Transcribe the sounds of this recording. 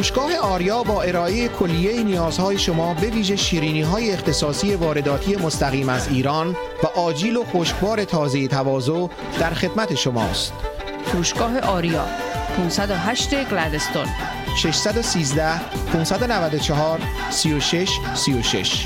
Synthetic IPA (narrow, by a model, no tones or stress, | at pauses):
tuːʃɡ̥ɒːɦe̞ɒːɾijɒːbɒːe̞ɾɒːʔejekʰo̞lːije̞jinijɒːzhɒːje̞ʃomɒːbe̞viːʒe̞ʃiːɾiːniːɦɒːjeːxt̪e̞sɒːsije̞vɒːɾe̞d̪ɒːt̪ʰije̞most̪æɣiːmæziːɾɒːn | væʔɒːd͡ʒiːlo̞xoːʃkbɒːɾe̞t̪ʰɒːze̞jet̪ʰævɒːzoʔ | d̪̥æɾxe̞d̪mæt̪ʰe̞ʃomɒ̰ːst̪ | fʰuːʃɡɒːɦeʔɒːɾijɒ̰ːpʰunsæd̪oɦæʃt̪e̞ɡlæd̪est̪o̰n | ʃe̞ʃsæd̪o̞siːzd̪æh | pʰunsæd̪onævæd̪ot͡ʃʰeɦɒːɾ | siːjoʃe̞ʃ | sijoʃe̞̰ʃ